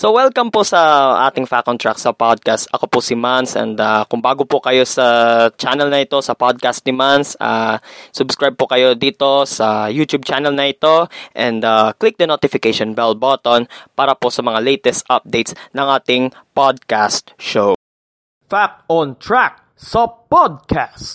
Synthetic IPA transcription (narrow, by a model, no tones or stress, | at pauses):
sowɛlkɐmposɐʔa̰ːt̪ɪŋfakʔɔnt̪ɹaksɐpad̪̚kast̪ʔɐ̰ko̞pʊsɪmansʔɛ̰nd̪akʊŋbaːɡopʊkɐjo̞sɐt͡ʃanɛlnɐɪt̪o̞sɐpod̪̚kast̪̚nɪmansa̰sʊbskɹajb̚pokɐjo̞d̪iːt̪o̞sɐjuːt̪jub̚t͡ʃanɛlnɐʔɪt̪o̞ʔɛnd̪aklɪk̚d̪ɐnot̪ɪfɪkejʃonbɛlbot̪onpaːɾɐposɐmɐŋalɛjt̪ɛst̪ʔɐp̚d̪ejt̪snɐŋʔaːt̪ɪŋpod̪̚kast̪ʃow | fakɔnt̪ɹak̚ | sɐpod̪̚kʰast̪